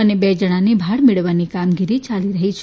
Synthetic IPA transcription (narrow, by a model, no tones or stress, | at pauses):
ənebed͡ʒəɽ̃anibʱaɽmeɭəʋanikamɡiɾit͡ʃaliɾəɦit͡ʃʰe